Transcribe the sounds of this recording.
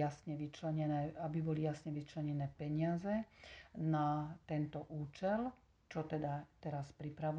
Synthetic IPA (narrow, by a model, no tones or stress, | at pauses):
asɲɛʋit͡ʃlɛɲɛnɛːabibɔlijasɲɛʋit͡ʃlɛɲɛnɛːpɛɲɪazɛnat̪ɛnt̪ɔʔuːt͡ʃɛl | t͡ʃɔt̪ɛd̪at̪ɛɾaspɾipɾaʋu